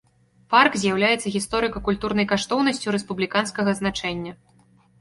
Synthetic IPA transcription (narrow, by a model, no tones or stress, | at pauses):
parkzʲjawlʲajɛt̪sːɐɣʲist̪ɔɾɨkɐkulʲt̪urnɐjkaʂt̪ɔwnɐsʲt͡sʲuɾɛspublʲikanskɐɣɐznat͡ʂɛnʲːɐ